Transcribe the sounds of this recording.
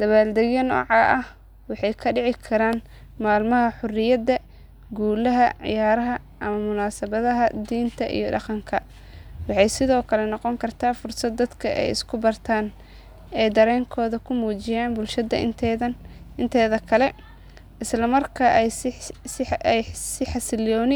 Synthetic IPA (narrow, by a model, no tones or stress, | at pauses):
d̪̥ɐβaːld̪ɛɣjɐnɔ̰ːʕɑːʔɐh | wɑħɑjkʰɐɖɪʕɪkʰɐɾaːn | maːlmɐɦɐħʊrɪjɐd̪ɐ | ɡuːlɐɦɐʕɪ̰jaːɾɐɦɐ | ʔɐmɐmʊnaːsɐβɐðɐɦɐd̪iːnt̪ʰɐʔḭjɔɖɑqɑŋkʰɐ | wɑħɑjsɪðɔːkʰɐlɛnɑqɔŋkʰɐrt̪ʰaːfʊrsɐd̪ːɐd̪kʰɐʔɛ̰jɪ̰skʰʊbɐrt̪ʰaːn | ɛːjd̪ɐɾɛːŋkʰɔːðɐkʰʊmuːt͡ʃɪjaːnbʊlʃɐd̪ɐʔɪt̪ʰɛðɐɪnt̪ʰɛːðɐkʰɐlɛ | ʔɪslɐmɐrkʰaʔ | ɛjsɪħɑsɪljɔːnɪ